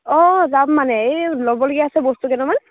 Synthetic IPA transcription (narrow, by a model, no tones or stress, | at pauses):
ɔ̃zamːanɛejlɔbɔloɡiaːsɛbɔst̪ukɛnɛman